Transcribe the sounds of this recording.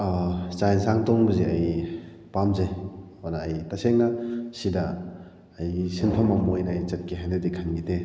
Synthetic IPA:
t͡ʃajnsaŋtɔŋbɐziɐj | pamze | onaːjtaseŋnɐsidɐː | jsinpʰɐmamojnɐɐjt͡ʃɐt̚kiɦajnɐdikʰɐnɡide

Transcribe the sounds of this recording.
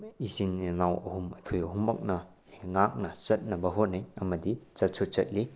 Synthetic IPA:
isiniŋawɐhumɐjkʰojɐɦumːɐk̚nɐ | ŋak̚nɐsɐt̚nɐbɐɦot̚nɐjɐmɐdit͡ʃɐt̚sʰot̚t͡ʃɐt̚li

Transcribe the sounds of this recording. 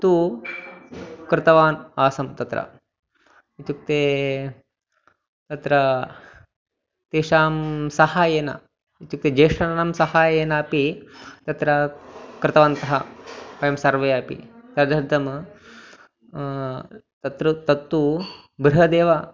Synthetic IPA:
t̪u | kɾɪt̪ɐʋaːnaːsɐmt̪ɐt̪ɾɐ̰ | it̪uk̚t̪eː | t̪ɐt̪ɾɐ | t̪eːʂaːmsɐhaːjeːnɐ̰ | it̪uk̚t̪ed͡ʒɐːʂɐnɐnɐmsɐhaːjeːnaːpit̪ɐt̪ɾɐkɾɪt̪ɐʋaːnt̪ɐɦɐpɐjɐmsɐɾʋɐjaːpḭt̪ɐd̪ʱɐɾd̪ʱɐm | t̪ɐt̪ɾut̪ɐt̪ːu | bɾiɦɐd̪eːʋa

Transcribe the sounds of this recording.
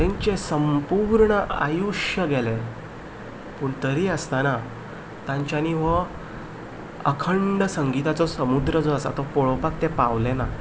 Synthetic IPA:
t̪ẽɲt͡ɕesəmpuɾɳəʔa̰juʂəɡele | puːɳt̪əɾiːəst̪ana | t̪ãɲt͡ɕjaniʋə | əkʰəɳɖəsəŋɡit̪at͡sɔsəmud̪ɾəd͡zoasa̰t̪ɔpoɭpakt̪epaʋlena

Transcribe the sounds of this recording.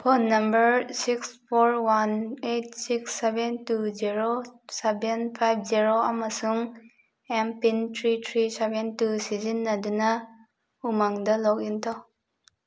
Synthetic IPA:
pʰɔnːɐmbəɾsikspʰoɾwanet̚siksːebentuziɾosebenpʰajb̚ʰziɾoamasuŋ | empintʰɾitʰɾisebentusizinːɐdunɐ | umaŋdɐlɔk̚int̪ʰɔ

